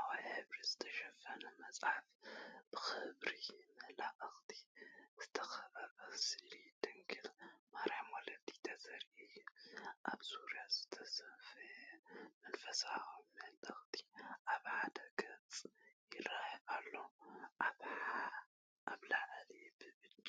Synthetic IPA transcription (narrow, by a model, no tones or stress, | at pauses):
ʔawajħɨβɾizɨt̪ʰɐʃɐfɐnɐmɐt͡sʼħafb̥ɨxɨβɾimɨhlaʔʼɐxt̪ʰi̥zɨt̪ʰɐxɐβɐɾbɐsilid̪ɨŋkʰɨlmaɾħmolɐt̪ʰi̥t̪ʰɐzɐɾʔilʔaβsuɾjazɨ̥t̪ʰɐsɐfɐmɐnfɐsaommɨhlʔɐxt̪ʰi̥ʔaβħad̪ɐɡɐt͡sʼjɪrːahβalːoʔaβa | ʔaβlaʔlibɨbɨt͡ʃʼ